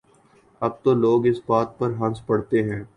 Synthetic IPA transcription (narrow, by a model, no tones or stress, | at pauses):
ɐb̚t̪oloːɡɪsbaːt̪̚pɐɾɦɐ̃nspɐɽt̪eɦɛ̃ː